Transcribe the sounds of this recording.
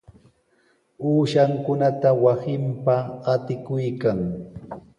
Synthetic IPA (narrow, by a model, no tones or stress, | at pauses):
uːʃaŋkʊnat̪awasɪmpaːt̪ɪkʊjkaŋ